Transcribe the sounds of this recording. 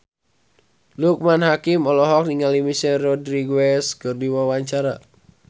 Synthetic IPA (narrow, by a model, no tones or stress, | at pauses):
luk̚manhakɪmɔlɔɦɔk̚niŋalimisɛrɔdɾiɡwɛskɨrdiwawaɲt͡ʃaɾa